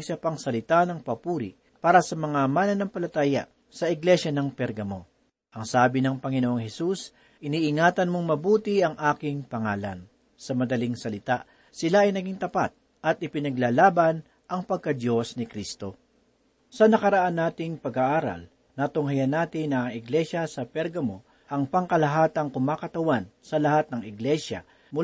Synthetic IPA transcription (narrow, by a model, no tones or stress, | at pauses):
ɡsɐpɐŋsɐlɪt̪anɐŋpɐpuːɾɪ̰ʔ | paːɾɐsɐmɐŋamaːnɐnːɐŋpɐlɐt̪aːjɐ̰ʔ | sɐʔɪɡlɛʃjɐnɐŋpɛɾɡɐmo̞ | ʔɐŋsaːbɪnɐŋpɐŋɪnoʔoŋhɛsus | ʔɪniːʔɪŋaːt̪ɐnmoŋmɐbuːt̪iɐŋʔaːkɪŋpɐŋaːlɐ̰n | sɐmɐd̪ɐliŋsɐlɪt̪aʔ | sɪlaʔɐjnɐɡiŋt̪ɐpa̰t̪̚ | ʔɐt̪̚ʔɪpɪnɐɡlaːlaːbɐn | ʔɐŋpɐɡ̚kɐd̪jo̞snɪkɾist̪o̞ | sɐnɐkɐɾɐʔanːaːt̪ɪŋpɐɡaʔaːɾɐ̰l | nɐt̪ʊŋɦɐjɐnaːt̪ɪnɐŋɪɡlɛʃjɐsɐpɛɾɡɐmo̞ | ʔɐŋpɐŋkɐlɐɦaːt̪ɐŋkʊmaːkɐt̪ɐwansɐlɐhat̪̚nɐŋɪɡlɛʃjɐ̰ | mʊ